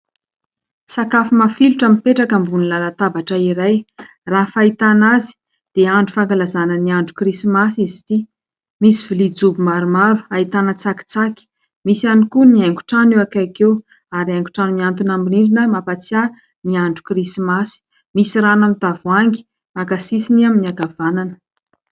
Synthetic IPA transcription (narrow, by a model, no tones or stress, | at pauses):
sakafumafiluʈ͡ʂəmipeʈ͡ʂakəmbunilalat̪abaʈ͡ʂəiɾaj | raɦfait̪anazi̥ | d̪̥eaɳɖ͡ʐufaŋɡalazanəniaɳɖ͡ʐukrisimasizi̥t̪i | misivilid͡zubimaɾumaɾu̥ait̪anət͡saki̥t͡saki̥ | misianikuniajŋɡu̥ʈ͡ʂanewakakew | aɾiaŋku̥ʈ͡ʂanuniant̪unambiniɾinəmapat͡sja | niaɳɖ͡ʐukrisimasi̥ | misiɾanamid̪avuaŋɡi̥ | makasisiniaminiaɡavananə̥